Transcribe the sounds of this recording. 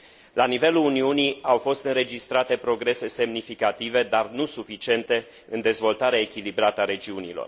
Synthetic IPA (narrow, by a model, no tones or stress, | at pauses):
lanive̞luuniuniawfo̞st̪ɨnɾe̞d͡ʒist̪ɾat̪e̞pɾo̞ɡɾe̞se̞se̞mnifikat̪ive̞d̪arnusufit͡ʃie̞nt̪e̞ | ɨnd̪e̞zvo̞lt̪aɾeaekʲilibɾat̪əaɾe̞d͡ʒiunḭlo̞̰r